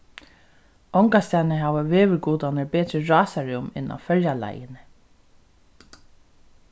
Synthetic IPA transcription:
ɔŋkast̪aːnɪɦaːʋaʋeːʋɪɾkuːt̪anɪɹbeːt̪ɾɪɹɑːsaɹɪʊmɪ̰na̰wfœljala̰jɪnɪ

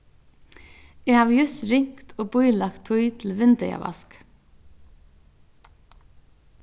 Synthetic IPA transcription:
jɛhaːʋjʏst̪ɾɪŋ̥kt̪ʰoːbʊjlakt̪ʰːʊjt̪ʰɪlʋɪnt̪ɛja̰ʋɑ̰sk

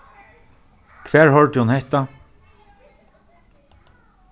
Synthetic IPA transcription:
kʰʋæːɹhɔlʈ̪ɪhunhɛht̪a

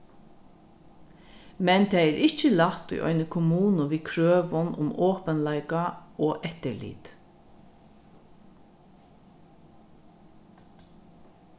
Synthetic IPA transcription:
mɛnt̪ʰɛːɛːɾʔɪt͡ʃəlɑht̪ʊ̰ʔɔ̰ʏnəkʰʊmuːnʊʋiːkʰɹøːʋʊnʊ̰moːpənlæɪkaoːʔɛt̪əlḭːt̪

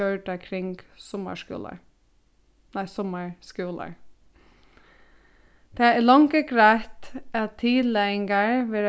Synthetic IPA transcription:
øːɖəkʰɾɪŋɡsɔmə̰ʃkʉ̰ːlə̰ | næɪsɔməɹskʉːlə̰ɹ | d̪̥eælɑŋɡəɡɾæːt̪ɛt̪ʰiːlɛŋɡəɹʋɪɾ

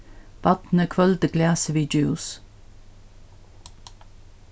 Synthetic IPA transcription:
b̥ɑt̪n̩əkʰvœld̪əɡlæːsəʋiːd͡ʒʉːs

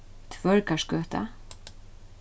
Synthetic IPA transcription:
t̪ʰʋœɹkɑʃɡøːt̪ʰə̰

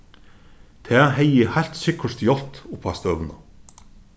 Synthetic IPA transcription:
t̪ʰeːheɪihælt̪sʏkʰəʂt̪jɔlt̪ʊpʰæst̪øʋnə̰

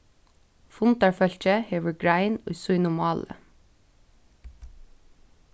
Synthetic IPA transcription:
fʊnt̪ɑɹfœltəheːʋəɡɹæɪnɔʏsʊʏnʊmɑːlə̰

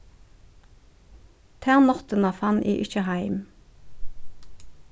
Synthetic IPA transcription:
t̪ʰæːʁnɔt̪ənɑfɑnʔḭːʔʏçəhæɪm

